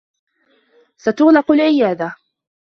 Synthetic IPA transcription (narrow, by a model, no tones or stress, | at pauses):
sat̪ʊɣnɑqʊlʕɪjaːd̪a